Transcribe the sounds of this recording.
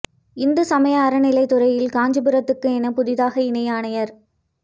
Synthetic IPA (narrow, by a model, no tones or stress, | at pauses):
ɪnd̪ɐsɐmɐjɐːɾɐnɪlɐɪt̪ːʊɾɐjɪlkaːɲd͡ʒɯbɯɾɐt̪ːɯkːɯɛnɐpʊðɪðaːɣɐɪnɐjaːɳɐjɐɾ